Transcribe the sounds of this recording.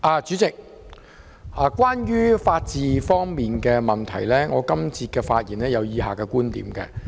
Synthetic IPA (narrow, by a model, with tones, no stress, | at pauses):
ʔaː˨˧t͡ʃy˨˥t͡sɪ˨k̚ | ʔaː˨˩kʷaː˥njyː˥faː˧t̚t͡siː˨˧fɔː˥ŋmiː˨nkɛː˧mɐ˨nt̪ʰɐ˨˩jlɛː˥ŋɔː˨˧kɐ˥mt͡sʰiː˧t̚kɛː˧faː˧t̚jiː˨˩nlɛː˥jɐ˨wjiː˨˧ɦaː˨˩kɛː˧kuː˥nt̪ḭː˨˥mkɛ̰ː˧